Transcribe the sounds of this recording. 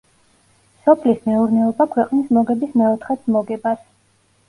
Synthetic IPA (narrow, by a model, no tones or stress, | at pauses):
sɔpʰlismɛuɾnɛɔbakʰwɛqʼnismɔɡɛbismɛɔt̪ʰχɛt̪sʰmɔɡɛbas